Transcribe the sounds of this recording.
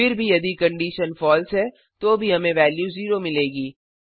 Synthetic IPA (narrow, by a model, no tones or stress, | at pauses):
fɪɾbʱijɐd̪ikɐ̃ɳɖiːʃənfɔːlsɦɛː | t̪oːbʱiɦɐmẽʋɛːljuːziːɾomɪleːɡiː